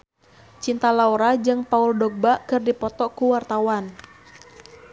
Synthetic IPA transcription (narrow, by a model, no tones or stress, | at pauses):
t͡ʃint̪alauɾad͡ʒɨŋpauldɔk̚bakɨrdipɔt̪ɔkuwart̪awan